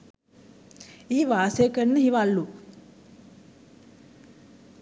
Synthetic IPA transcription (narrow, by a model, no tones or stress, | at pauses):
iːʋaːsekənːəɦiʋalːu